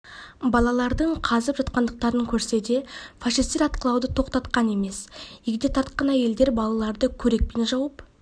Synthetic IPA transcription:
bɑlˠɑlˠɑɾd̪əɴqʰɑzəpʒɑt̪qɑnd̪əq̚t̪ɑɾəŋkʲʰɵɾse̞d̪e̞fɑʃist̪eɾɑt̪qəlˠɑwd̪ət̪ʰo̞qt̪ɑt̪qɑne̞me̞seɡʲɪd̪e̞t̪ʰɑɾt̪̚qɑnæje̞ld̪e̞ɾbɑlˠɑlˠɑɾd̪əkʲʰɵɾe̞k̚penʒɑwəp

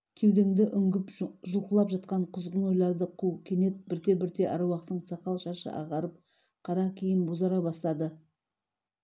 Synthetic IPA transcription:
kʲʰewd̪eŋd̪ɪʔʏŋɡʲɪpʒʊlˠqəlˠɑpʒɑt̪̚qɑɴqʰʊzʁəno̞jlˠɑɾd̪əqʰuwkʲʰe̞ne̞t̪̚bɪɾt̪e̞bɪɾt̪e̞ʔɑ̰ɾɑwɑqt̪əɴsɑqɑlˠʃɑʃə̰ʔɑ̰ʁɑɾəp̚ | qʰɑɾɑkʲʰijɪnbozɑɾɑbɑst̪ɑd̪ə

